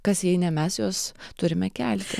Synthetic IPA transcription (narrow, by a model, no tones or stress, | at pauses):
kɐsjɛɪnʲɛmʲɛsjoːst̪ʊɾʲɪmʲɛkʲælʲt̪ʲɪ